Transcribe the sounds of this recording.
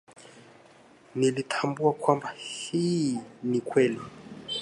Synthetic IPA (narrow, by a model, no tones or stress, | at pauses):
nilitʰambuakwambahinikwɛli